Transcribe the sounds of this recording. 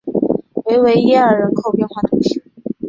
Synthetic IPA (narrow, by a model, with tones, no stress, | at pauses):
we˧˥ɪwe˧˥ɪjɛ˥ə˞˨˩ɻə˧˥nkʰo˥˧ʊpjɛ˥˧nxwa˥˩ʈ͡ʂ̪ʊ˧˥ŋɕi˥˧˥